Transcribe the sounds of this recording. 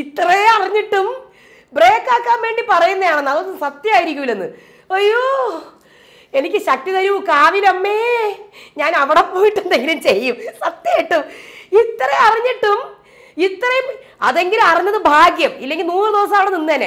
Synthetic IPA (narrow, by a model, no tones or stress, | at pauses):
it̪ːrɐjeɐriɲːiʈːum | bre̞ːkːaːkːaːmʋe̞ːɳɖipɐrɐjunːɐðjaːɳenːɐðnːsɐt̪jɐaːjiɾikʲːuʋilːenːɨ̰ | ojoː | e̞nikʲːɨɕɐk̚ʈiðɐɾuʋukaːʋilɐmːeːɲaːnɐʋiɽepoːjiʈːund̪eŋɡilumt͡ɕe̞jːumsɐt̪jɐjiʈːumit̪rɐjeɐriɲːiʈːum | it̪ːrɐjum | ɐ̰ðe̞ŋɡilumɐriɲːɐðɨbʱaːɡjɐmilːe̞ŋɡilnuːrɨd̪iʋɐs̬ɐamɐːʋiɽeninːɨɐne